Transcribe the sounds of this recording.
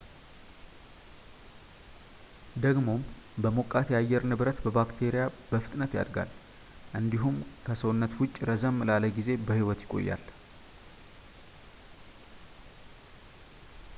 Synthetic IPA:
d̪əɡmo̞mbəmokʼːat̪jajːɛɾnɨβɾət̪bəbakt̪ʰe̞ɾijabəfɨ̥t̪ʼnət̪ja̰d̪ɡa̰l | ʔɨnd̪iɦumkʰəsəwnːət̪wʊt͡ʃʼːɾəzəmːlaləɡize̞bəhiwɔt̪jɪkʼo̞̰jːa̰l

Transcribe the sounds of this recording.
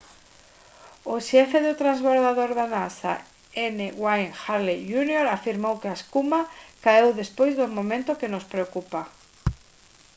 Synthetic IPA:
ʊʃɛfeðʊt̪ɾazβoɾðaðoɾðanasa̰ | eneɣwajŋxaɾlijunioɾafiɾmowkeaeskumakaewðespojzðʊmõmẽnt̪ʊkenospɾeokupa

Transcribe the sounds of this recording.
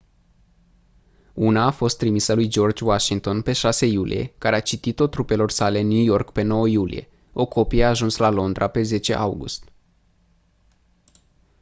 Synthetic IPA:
unaːfo̞st̪ːɾimisəlujd͡ʒo̞rd͡ʒʲwaʃiŋ̚t̪o̞npe̞ʃase̞julʔḭje̞̰kaɾeat͡ʃit̪it̪o̞t̪ɾupe̞lo̞rsale̞nːjujo̞rkpe̞no̞wəjulḭje̞̰ | o̞ko̞pijeaːʒunslalo̞nd̪ɾʔape̞ze̞t͡ʃe̞̰ʔawɡṵst̪

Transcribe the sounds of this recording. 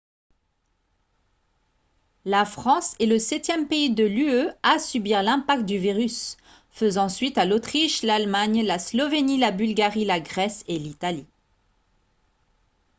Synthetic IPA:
lafχɑ̃seləsɛt̪jɛmpeid̪əlyøasybiʁlɛ̃pak̚t̪̚d̪yviʁys | fəzɑ̃sɥit̪alot̪χiʃlalmaɲlaslɔvenilabylɡaʁilaɡʁɛselit̪ali

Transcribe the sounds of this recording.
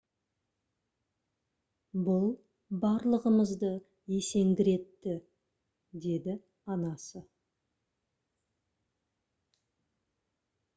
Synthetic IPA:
bʊlˠ | bɑɾlˠəʁəməzd̪ə | je̞se̞ŋɡʲɪɾe̞t̪ːɪ | d̪e̞d̪ɪ | ɑnɑsə

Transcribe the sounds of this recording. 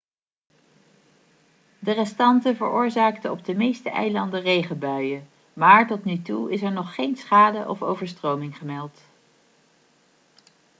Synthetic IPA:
dərɛstɑntəvəɹʊːɹzaːktəɔb̚dəmejstəʔɛ̰jlɑndərejχəbœɥə | maːɹtɔtnytuɪsɛɹnɔχːejnsχaːdəʔɔ̰fo̰wvəɹstrowmɪŋχəmɛlˠt

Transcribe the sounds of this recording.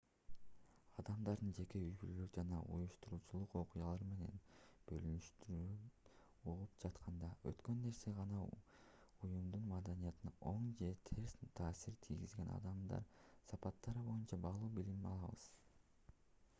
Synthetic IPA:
ɑd̪ɑmd̪ɑɾd̪ɯnd͡ʒe̞ke̞yjbylølykd͡ʒɑnɑ̰ʔṵjuʃt̪uɾuːt͡ʃulˠuqo̞qujɑlˠɑɾme̞ne̞̰nb̥ø̞lynyʃt̪yɾy | uʁup̚d͡ʒɑt̪qʰɑnd̪ɑø̰t̪kø̞nːe̞ɾse̞ʁɑnɑ | ujumd̪unmɑd̪ɑnijɑt̪ɯnɑʔo̞ɴd͡ʒe̞t̪ʰeɾst̪ʰɑːsiɾt̪ʰijɡizɡe̞nɑ̰d̪ɑmd̪ɑ̰ɾsɑpɑt̪ːɑɾɯbo̞junt͡ʃɑbɑlˠuːbilimɑ̰lˠɑβɯ̰z̥

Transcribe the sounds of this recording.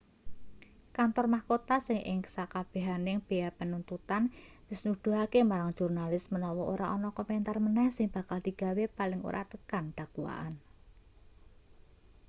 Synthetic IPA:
kant̪ɔrmahkot̪asɪŋʔɪ̰ŋkə̥sakab̥e̤ɦanɪŋb̥e̤japənunt̪ut̪an | wɪsnud̪̥ṳɦakemaɾaŋ̥ʒ̥urnalɪsmənɔwɔʔoɾaʔɔnɔkɔmɛnt̪armənɛhsɪŋb̥a̤kald̪̥i̤ɡ̥a̤wepalɪŋo̰ɾʔa̰t̪əkand̪̥a̤kuwa̰ʔa̰n

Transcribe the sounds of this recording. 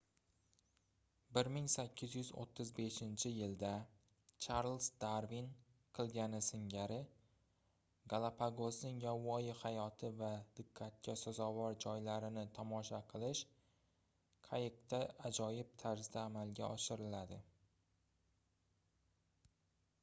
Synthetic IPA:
bɪɾmɪŋsakʲːɪzjʏzo̰t̪ʰːɪzbe̞ʃɪnt͡ʃʰɪjɪld̪a | t͡ʃʰaɾlˠsd̪aɾvin | qʰɨlˠɡʲanɪsɪŋɡʲaɾɪ | ɡalˠapʰaɡosnɪŋjawːɒjɪhajɒt̪ʰɪvad̪̥ɪqʰːat̪̚kʲʰasazɒvɒɾd͡ʒɒjlaɾɪnɪt̪ʰɒmɒʃaqʰɨlˠɪʃ | qʰajɪq̚t̪ʰaad͡ʒɒjɪb̚t̪ʰaɾzd̪aːmalɡʲaɒʃɪɾɪlad̪ɪ

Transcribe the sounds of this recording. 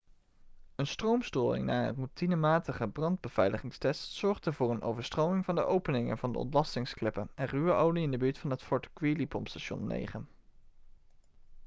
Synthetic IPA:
ənstrowmstoːjɪ̰ŋna̰ːə̰nrutinəmaːtəχəbrɑnd̚bəv̥ɛjləχɪŋstɛstsɔɹχdəvʊːrəno̰wvəɹstrowmɪŋvɑndəʔowpənɪŋə̰nvɑndə̰ɔ̰ntlɑstɪŋsklɪpənɛnryʋəʔowliɪndəbyːɹtfɑnɦətfɔɹtə̥kʋilipɔ̰mstaʃɔ̰nːḛjχən

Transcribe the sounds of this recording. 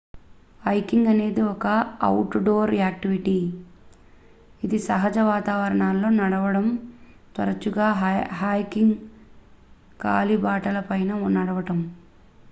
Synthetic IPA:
ɐjkiŋɡɐne̞ːd̪iɔkɐ̰ːwʈɖoːɾaːk̚ʈiʋiʈi | id̪isɐɦɐd͡ʒɐʋaːt̪aːʋɐɾɐɳaːlːo̞ːnɐɽɐʋɐɽɐm | t̪ɐ̰ɾɐt͡ʃuɡaːɦɦaːjkiŋɡ | kaːlibaːʈɐlɐpɐjnɐnɐɽɐʋɐʈɐm

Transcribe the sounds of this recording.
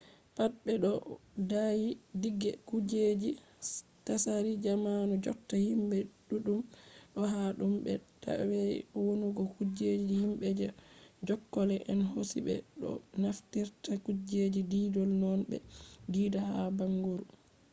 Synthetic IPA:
pat̚bɛɗɔdajidiɡːɛkud͡ʒed͡ʒi | tasaɾid͡ʒamanud͡ʒɔ̰tːahimbɛɗuɗumɗɔɦaɗumbɛta̰wɛ̰wonuɡɔkud͡ʒed͡ʒihimɓɛd͡ʒɛd͡ʒɔkːɔlɛʔɛnɦosḭbɛ̰ɗɔ̰naftiɾtakud͡ʒed͡ʒidiːdɔlnɔnbɛ̰diːdahabaŋɡuɾu

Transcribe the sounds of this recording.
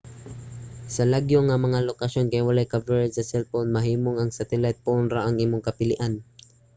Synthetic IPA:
sɐlaɡjoŋɐmɐŋalokɐʃo̞nkɐjwɐlajkavɛɹsɐsɛlponmɐɦiːmoŋɐŋsɐt̪ɛlajt̪̚pʊʔʊnɾaʔɐŋimoŋkɐpɪlɪʔan

